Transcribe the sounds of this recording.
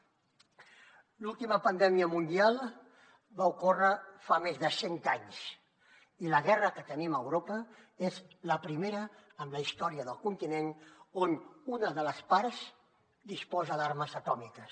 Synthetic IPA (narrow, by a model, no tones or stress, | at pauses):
lulˠt̪iməpənd̪ɛmiəmund̪ialˠ | βaukorəfamezðəsent̪aɲs | iləɣɛrəkət̪əniməwɾopəezləpɾimeɾəːmləist̪ɔɾiəðəlˠkunt̪inenonunəðələspaɾz̥ | d̪ispɔzəðaɾməzət̪ɔmikəs